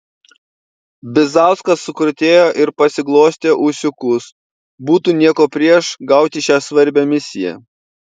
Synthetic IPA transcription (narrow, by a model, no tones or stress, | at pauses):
bʲɪzɑˑʊskɐsːʊkɾʊt̪ʲeːjoːʔɪɾpɐsʲɪɡlˠoːsʲt̪ʲeːʔʊsʲʊkʊs | buːt̪uːnʲiɛkoːpʲɾʲiɛʃɡɐˑʊt̪ʲɪʃʲæːsʋɐɾʲbʲɛːmʲɪsʲɪjɛ̰